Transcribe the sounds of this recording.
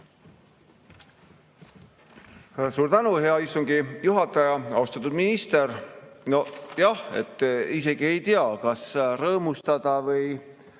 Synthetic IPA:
suːɾt̪ænuɦe̞ɑist̪uŋɡijuɦɑt̪ːˑɑjɑɑwst̪ɑt̪ːˑud̪minist̪e̞ɾno̞jɑhe̞̰t̪ːise̞ɡ̥ie̞jt̪eɑkɑsrɤːmust̪ɑd̪̥ɑvɤj

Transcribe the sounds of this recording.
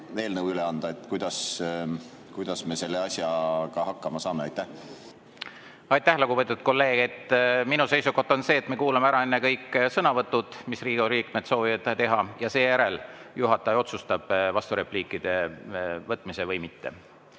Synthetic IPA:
ve̞ːlnɤwyleɑnd̪̥ɑe̞t̪ːˑkujd̪̥ɑs | kujd̪̥ɑsme̞se̞lːeɑsʲjɑkɑhɑkːɑmɑsɑːmeɑjt̪ːæh | ɑjt̪ːæhlokuvɤt̪ːˑut̪̚ko̞lːe̞ːɡ̥et̪ːminuse̞jsuko̞ht̪ːo̞nse̞ːt̪meːkuːlɑmeæɾɑe̞nːekɤjkːsɤnɑvɤt̪ːˑud̪̥misriːɡ̥uɾiːkmet̪so̞ːvivɑd̪t̪e̞ɦɑjɑse̞ːjæɾe̞ljuɦɑt̪ːˑɑejo̞t̪sust̪ɑb̥vɑst̪uɾe̞pliːkːˑid̪̥e̞vɤt̪ːˑmise̞vɤjmit̪ːe̞̰

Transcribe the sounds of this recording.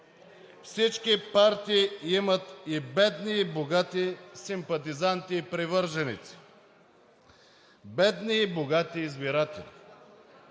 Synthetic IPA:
fsit͡ʃkipaɾt̪iːimət̪ibɛd̪niːboɡat̪isimpɐt̪̬izant̪iːpɾivəɾʒɛnḭt̪si̥ | bɛd̪niːboɡat̪iːzbiɾat̪ɛ̰lʲḭ

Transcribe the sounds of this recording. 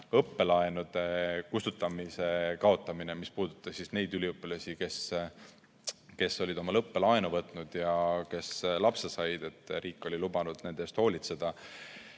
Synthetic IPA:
ɤpːe̞lɑenud̪̥e̞kust̪ut̪ːˑɑmise̞kɑo̞t̪ːˑɑmine̞mispuːd̪̥ut̪ːˑɑsːisne̞jd̪ylʲiɤpːilɑsʲike̞s | ke̞sːo̞lʲid̪o̞mɑlɤpːe̞lɑenuvɤt̪ːˑnud̪̥jɑke̞slɑpsesɑjd̪̥e̞t̪ːˑɾiːkːˑo̞lʲilub̥ɑnud̪̥ne̞nd̪est̪ho̞ːlʲit̪se̞d̪̥ɑ

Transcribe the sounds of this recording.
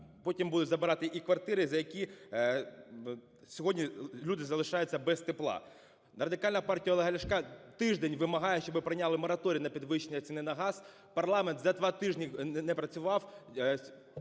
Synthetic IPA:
pɔtʲimbud̪ʊtʲzɐbɪɾɑt̪ɪʔikʋɐrt̪ɪɾɪzɐjɐkʲi | sʲɔɦɔdʲnʲilʲud̪ɪzɐlˠɪʃɑjʊt͡sʲːɐbɛst̪ɪplˠɑ̰ | rɐd̪ɪkɑlʲnɐpɑrtʲijɐɔlˠeɦɐlʲɐʃkɑt̪ɪʒd̪ɛnʲʋɪmɐɦɑjɛʃt͡ʃɔbɪpɾɐnʲɑlˠɪmɔɾɐt̪ɔɾʲiinɐpʲid̪ʋɪʃːenʲːɐt͡sʲinɪnɐɦɑz̥ | pɐrlˠɑment̪zɐd̪ʋɑt̪ɪʒnʲinɛpɾɐt͡sʲʊʋɑw

